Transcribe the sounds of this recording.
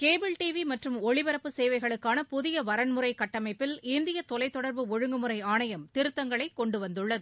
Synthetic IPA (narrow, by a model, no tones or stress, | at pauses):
keːbɪlʈiʋimɐʈrɯmɔɭɪʋɐɾɐpːɯseːʋɐɪɣɐɭɯkːaːnɐpʊðɪjɐʋɐɾɐnmɯɾɐɪkːɐʈːɐmɐɪpːɪlɪnd̪ɪjɐt̪ɔlɐɪt̪ːɔɽɐɾbɯɔɻɯŋɡɯmɯɾɐɪaːnɐjɐmt̪ɪɾɯt̪ːɐŋɡɐɭɐɪkːɔɳɖɯʋɐnd̪ɯɭːɐðɯ